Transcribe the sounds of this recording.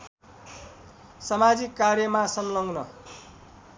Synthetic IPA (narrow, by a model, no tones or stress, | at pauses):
sʌmad͡zikːarjʌmasʌmlʌŋɡnʌ